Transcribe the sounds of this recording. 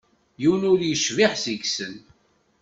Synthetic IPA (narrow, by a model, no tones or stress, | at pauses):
jiwnʊɾjəʃviħsiɡsən